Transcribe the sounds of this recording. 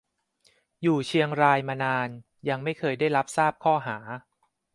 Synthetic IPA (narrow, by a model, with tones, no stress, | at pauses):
juː˨˩t͡ɕʰi˧əŋɾaː˧jmaː˧naː˧n | ja˧ŋma˥˩jkʰɤː˧jdaː˥˩jɾa˦˥p̚saː˥˩p̚kʰɔː˥˩ɦaː˩˦